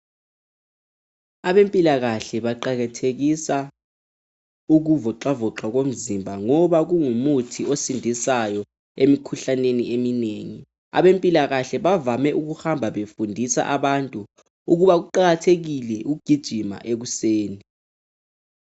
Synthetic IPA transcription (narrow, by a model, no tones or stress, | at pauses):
aɓempʼilak̬aɬɛɓaǃak̬atʰek̬isa | uk̬uvɔǃavɔǃak̬om̩zimbʱaŋɔɓak̬uŋumutʰiosindʱisajɔ | emikʰuɬaneniʔemineːŋi | a̰ɓempʼilak̬aɬɛɓavamɛʔuk̬uxambʱaɓefundʱisa̰ʔaɓantʼu | uk̬uɓak̬uǃak̬atʰek̬ilɛʔuɡ̥ʱid̥ʒ̥ʱima̰ʔek̬useːni